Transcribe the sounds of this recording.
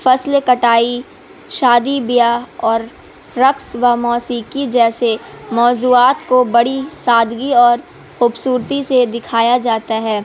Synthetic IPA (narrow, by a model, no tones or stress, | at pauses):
fɐslkɐʈaːi | ʃaːd̪ibɪjaɔːɾː | ɐksʋamɔːsiːkid͡ʒɛːsemɔːzuːaːt̪kobɐɽisaːd̪ʱɡiɔːɾ | xuːbsuːɾt̪ised̪ɪkʰaːjad͡ʒaːt̪aɦɛː